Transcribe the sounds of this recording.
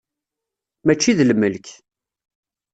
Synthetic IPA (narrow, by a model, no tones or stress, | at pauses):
mæt͡ʃːiðləmːəlk